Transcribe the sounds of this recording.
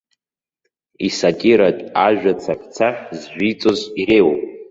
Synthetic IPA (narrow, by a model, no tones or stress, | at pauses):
isatʼiɾatʼaʒᶣat͡sʰapʰt͡sʰaħzʒʷᶣit͡sʼozirejwopʼ